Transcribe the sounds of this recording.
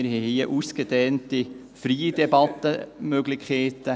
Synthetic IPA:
ɪɾhɛhiəʔuskəd̥̪ɛːnti | fɾiːd̥ɛbɑt̪ːəmøɡlɪkʰeːtə

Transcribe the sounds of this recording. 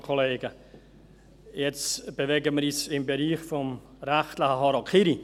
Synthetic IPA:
kʰoleːɡə | jɛt͡sb̥əʋeɡəməɾiːsɪmbəɾiːxfɔm | ɾæχtləxəɦɔɾɑlkʰiɾi

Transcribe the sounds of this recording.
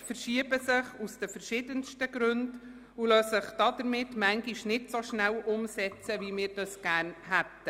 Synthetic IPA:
fəɾʃiəbəsɪχusd̥əfəɾʃɪdənstəɡɾɵnd | ulœsəχd̥ɑdəɾmɪtːmæŋɡiʃnɪtsoʃnælʔʊmsɛt͡səvimɪːɾd̥ɑsɡ̥æːɾnhæt̪ːə

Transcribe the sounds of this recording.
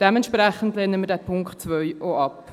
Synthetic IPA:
d̥ɛmɛntʃpɾɛχəntleːnəmədɛːpʰʊŋkχtt͡sʋœʏʔoɑp

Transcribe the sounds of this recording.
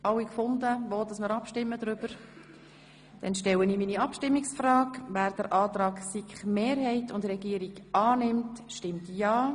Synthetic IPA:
ʔɑwikfʊndəʋoːdɑsməɾɑpʃtɪmːədɾʏb̥əɾ | d̥ɛnʃtɛwəniːminiɑpʃtɪmːiksfrɑːkvæːɾd̥əɾʔɑːtɾɑːksikχmeːɾɦɛɪtʊndrɛɡiːɾiɡɑːnɪmtʃtɪmtjɑː

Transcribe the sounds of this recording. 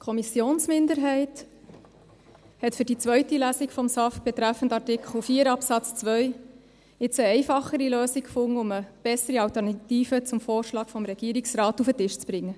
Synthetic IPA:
kʰɔmisjoːnsmɪndəɾɦɛɪt | hɛtfʏɾdit͡sʋœɥtilæːsikfɔmsɑf̚b̥ɛt̪ɾæfən̩tɑtɪkʰχl̩fiːəɾɑpsɑt͡st͡svœj | ɪt͡səɛɪfɑχəɾiløːsikkfʊŋːəʊməb̥ɛsəɾiɑltəɾnɑtiːfət͡sʊmfoːɾʃlɑːkfɔmɾɛɡ̥iːɾiksɾɑːtufətɪʃt͡sb̥ɾɪŋːə

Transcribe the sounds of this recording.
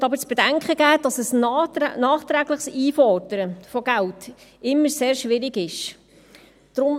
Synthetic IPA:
tɑbəɾt͡sb̥ɛd̥æŋkχəɡ̥æːd̥ɑsəsnɑːχt̪ɾæːɡləχsiːfɔrd̥əɾəfɔɡæltɪmːəseːɾʃʋɪɾɪɡɪʃ | d̥ɾʊm

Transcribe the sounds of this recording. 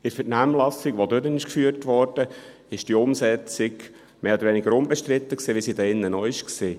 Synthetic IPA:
ɪɾfətnæmlɑsɪɡʋodønənɪʃkfyːəɾtʋɔɾd̥ə | ɪʃd̥iʊmsɛt͡sɪɡ | meːɔdəɾʋɛnɪɡəɾʊmbɛʃt̪ɾɪt̪ːəksiːʋisidɛːɪnːənɔɪʃkseː

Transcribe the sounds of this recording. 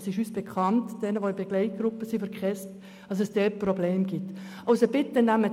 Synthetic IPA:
sɪʃysb̥ekχɑntd̥ɛnəʋoɪbeɡ̥lɛɪt̚ɡ̥ɾʊpːəsifəɾkχɛst | ɑs̬ɛsd̥ɛt̚probleːmɡ̥ɪtʔɑʊsob̥ɪtːənæmə

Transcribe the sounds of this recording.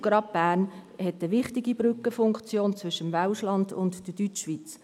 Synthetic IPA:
ɡɾɑːp̚b̥æːɾnhɛtəʋɪχtɪɡibɾʏkəfʊŋkt͡sjoːnt͡svʏʃəmvaʊʃlɑndʊ̰ntd̥əd̥yt͡ʃːʋiːt͡s

